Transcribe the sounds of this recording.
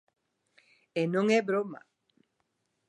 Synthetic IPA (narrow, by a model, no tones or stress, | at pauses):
enoŋebɾoma̰